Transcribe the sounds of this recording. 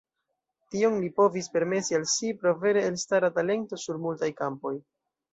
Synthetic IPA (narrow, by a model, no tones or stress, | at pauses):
tio̞nlipo̞vispe̞ɾme̞sialsipɾo̞ve̞ɾe̞ːlstaɾatale̞nto̞suɾmultajkampo̞j